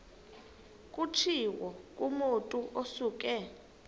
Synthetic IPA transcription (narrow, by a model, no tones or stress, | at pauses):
k̬ʼut͡ʃʰiwɔkʼumotʼuʔosuːkʼɛ